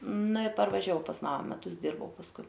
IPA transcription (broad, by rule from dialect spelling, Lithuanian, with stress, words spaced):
ˈnɐ ɪr pɐrʋɐˈʒʲɛʊ pɐs ˈmɑːmɐ mʲɛˈtʊs ˈdʲiːrbɐʊ pɐsˈkʊɪ